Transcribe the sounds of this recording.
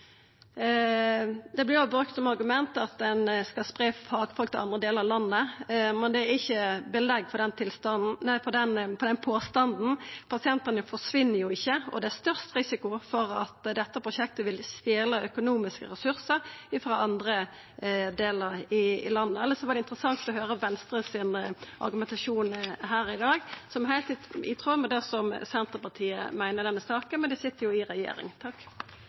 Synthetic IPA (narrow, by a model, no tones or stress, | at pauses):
d̪ɛblɪjʊbɾʉkt̪sɔmɑɾɡʉmɛnt̪ɑt̪̚d̪ɛnskɑlspʁeːfɑːɡfɔlkt̪ɪlɑnd̪ʁəd̪eːləɾɑlɑnːəmɛnd̪ɛæɾɪçːəbəlɛɡːfɔd̪ɛnt̪ʰɪlst̪ɑnn̩næfɔd̪ɛnpʰɔd̪ɛnpʰoːst̪ɑnd̪n̩pʰɑsɪɛnt̪ənəfɔʂʋɪnːəɾjʊɪçːəɔd̪ɛæst̪œʁst̪ʁɪsɪkʊfɔɾɑt̪d̪ɛt̪ːəpʰʁʊʃɛk̚t̪əʋɪlst̪eːləœkʊnuːmɪskə̰ɾɛsʉʁsəɾɪfʁɑʔɑnd̪ɾə | d̪eːləɾɪɪ̰lɑnːəɛlːəsɔʋɑɾd̪ɛɪnt̪ɾəsɑŋt̪ɔɦøːɾəʋɛnst̪ɾəsɪnʔɑ̰ɾɡʉmɛnt̪ɑʂuːnɦæːɾɪd̪ɑːɡsɔmhæɪlt̪ɪt̪ɪ̰t̪ʰʁuːməd̪ɛsɔmsɛnt̪əpɑt̪ʰiːə̰mæɪnəd̪ɛnːəsɑːkənmɛnd̪ɛsɪt̪ːəjʊɪɾɛjḛːɾɪ̰ŋt̪ʰɑkː